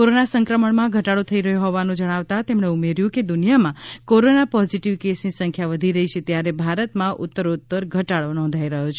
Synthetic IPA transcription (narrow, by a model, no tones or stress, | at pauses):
koɾonasə̃ŋkɾəməɳmãɡʱəʈaɭot̪ʰəiɾəɦjoɦɔʋanũd͡ʒəɽ̃aʋt̪at̪emɽ̃eumeɾjũked̪unijamãkoɾonapɔziʈiʋkesnisə̃ŋkʰjaʋəd̪ʱiɾəɦit͡ʃʰet̪jaɾebʱaɾət̪mãʔut̪ːəɾot̪ːəɾɡʱəʈaɭonɔ̃nd̪ʱaiɾəɦot͡ʃʰe